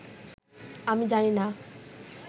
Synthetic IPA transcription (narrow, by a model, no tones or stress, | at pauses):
amid͡zanina